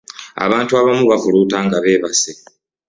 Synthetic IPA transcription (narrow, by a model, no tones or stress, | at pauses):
a̰βaːntuaβamuβavuluːtaːŋɡaβe̞ːβase